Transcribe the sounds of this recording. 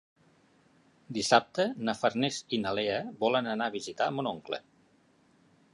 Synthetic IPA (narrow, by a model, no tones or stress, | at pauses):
d̪isap̚t̪ənəfəɾnezinaleəβɔlənənaβ̞izit̪aəmunoŋklə̰